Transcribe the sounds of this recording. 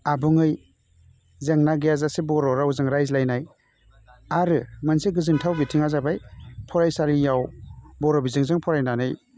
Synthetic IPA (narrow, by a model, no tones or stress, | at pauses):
abɯŋɯj | zeŋnaɡejazasebɔɾɔɾawzɯŋɾajzlajnaj | aɾɯmansiɡɯzɯntʰawbitʰiŋazabajpʰɔɾajsalijawbɔɾɔbizɯŋzɯŋpʰɔɾajnanɯj